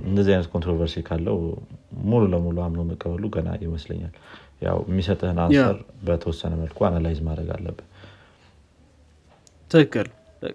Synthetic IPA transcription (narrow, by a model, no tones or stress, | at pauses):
ɨnd̪əzːihajnət̪̚kʰont̪ɾovəɾsikʰalːəhmululəmuluamnowməkʼːəβəluɡəna̰jɪməslə̰ɲːa̰lja̰wɛmːisət̪ʼɨhɨnasə̰ɾbət̪ʰəwɔsːənəməlkʰoanalajzmad̪ɾəɡa̰lːə̰bːɨn | t̪ʰɨkːɨl